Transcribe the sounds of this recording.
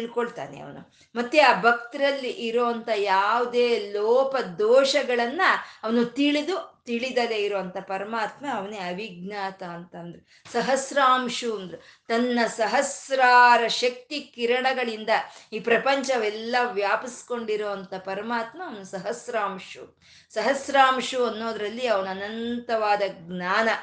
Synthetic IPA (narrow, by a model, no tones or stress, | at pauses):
iɭkoɭt̪a̰ːnḛɐ̰ʋɐnu | mɐt̪ːeaːbʱɐk̚t̪ɐɾɐlːiʔiɾoːɐnt̪ʰɐjaːʋud̪eːlɔːpɐd̪ɔːʃɐɡɐɭɐnːɐɐʋɐnut̪iɭid̪ut̪iɭid̪ɐleiɾoːʋɐnt̪ʰɐpɐɾɐmaːt̪mɐːʋɐneɐʋiɡnaːt̪ɐːnt̪ɐnd̪ɐɾe | sɐɦɐsɾaːmʂuɐnd̪ɐɾet̪ɐnːɐsɐɦɐsɾaːɾɐʃɐk̚t̪ikiɾɐɳɐɡɐɭind̪ɐiːpɾɐpɐɲt͡ʃɐʋɛlːɐʋjaːpɐsko̞ɳɖiɾoːʋɐnt̪ɐpɐɾɐmaːt̪mɐːʋɐnusɐɦɐsɾaːmʂu | sɐɦɐsɾaːmʂuɐnːoːd̪ɐɾɐlːiɐʋɐnuɐnɐnt̪ɐʋaːd̪ɐɡnaːnɐ